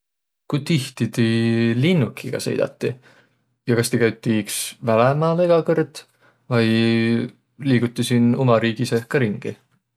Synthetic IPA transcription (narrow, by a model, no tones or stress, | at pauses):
kujt̪iht̪id̪ilinːukʰiɡ̥ɑ̰sḛjd̪̥ɑ̰t̪ːi | jɑkɑst̪ikæjt̪ˑːiksvælemɑːleɡ̥ɑkɤrd̪̥ | vɑj | liːɡ̥ut̪ːˑisinomɑɾiːɡ̥isehkːɑɾiŋɡ̥i